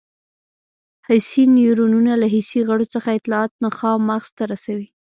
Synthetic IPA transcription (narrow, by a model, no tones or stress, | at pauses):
hajsinjuɾununalaɦisiɣəɽot͡səxaɪt̪lɑɑt̪̚naxɑmaɣz̥t̪aɾasawi